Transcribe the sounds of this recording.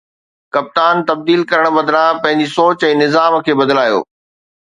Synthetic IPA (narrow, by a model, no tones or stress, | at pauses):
kɐp̚t̪aːnt̪ɐb̚d̪iːlkɐɾəɽ̃bɐd̪lãpɐ̃ɦɪ̃ɲd͡ʑisoːt͡ɕɛ̃ːnɪzaːm̆kʰeːbɐd̪laːjo̰ː